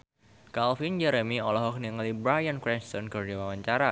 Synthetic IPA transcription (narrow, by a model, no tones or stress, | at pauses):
kalfind͡ʒɛɾəmiɔlɔɦɔk̚niŋalibɾajankɾɛnst̪ɔnkɨrd͡ʒiwawaɲt͡ʃaɾa